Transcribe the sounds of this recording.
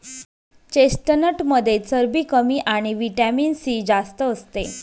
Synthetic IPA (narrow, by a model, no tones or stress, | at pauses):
t͡ɕesʈənəʈməd̪ʱjet͡səɾbiːkəmiːʔaɽ̃iʋiʈamiːnsiːd͡zast̪əːst̪e